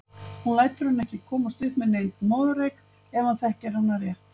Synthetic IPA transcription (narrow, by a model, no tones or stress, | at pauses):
hunlaːjt̪ʏɾʏnːɛhcɪkʰɔːmast̪ʏhpmɛðnejnmaːðʏɾejk | ɛvanθɛhcɛɾunːarjɛht̪